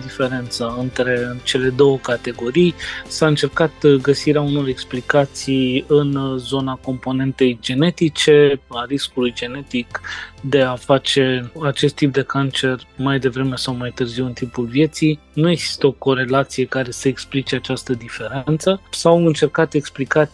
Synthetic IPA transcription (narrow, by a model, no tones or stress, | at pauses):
d̪ife̞ɾe̞nt̪saɨnt̪ɾe̞t͡ʃe̞le̞d̪o̞wəkat̪e̞ɡo̞ɾijsaɨnt͡ʃe̞rkat̪ɡəsiɾeauno̞ɾe̞ksplikat̪sijɨnzo̞nako̞mpo̞ne̞nt̪e̞jd͡ʒe̞ne̞t̪it͡ʃe̞aɾiskulujd͡ʒe̞ne̞t̪ikd̪e̞afat͡ʃe̞at͡ʃe̞st̪ːip̚d̪e̞kant͡ʃe̞rmajd̪e̞vɾe̞me̞sawmajt̪ɨrziwɨnt̪impulvje̞t̪sijnuje̞ɡz̥i̥st̪əo̞ko̞ɾe̞lat̪sije̞kaɾe̞səeksplit͡ʃe̞at͡ʃast̪əd̪ife̞ɾent̪səsawɨnt͡ʃe̞rkat̪e̞ksplikat̪ʲ